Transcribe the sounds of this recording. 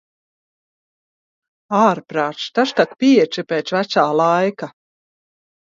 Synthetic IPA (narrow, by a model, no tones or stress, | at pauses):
aːɾpɾaːʃt̪aʃt̪akpʲiɛt͡ʃipʲɛːt̪svæt̪saːlˠajka